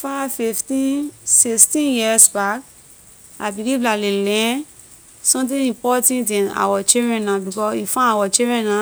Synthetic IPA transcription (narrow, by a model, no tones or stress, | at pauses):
fafiftĩsistĩnjisbak̚ | abiliblalelɛ̃ | sɔ̃mtĩĩpɔtãntĩna̰wat͡ʃiɾɛ̃nãbikɔifãawat͡ʃiɾɛ̃nã